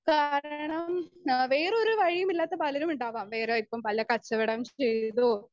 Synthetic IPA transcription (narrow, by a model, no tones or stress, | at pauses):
kaːɾɐɳɐmʋeːɾoɾuʋɐɻijumilːaːt̪ːɐpɐlɐɾumuɳɖaːʋaːmʋeːɾeɐipːɐmpɐlɐkɐt͡ɕːɐʋiɽɐmt͡ɕejðo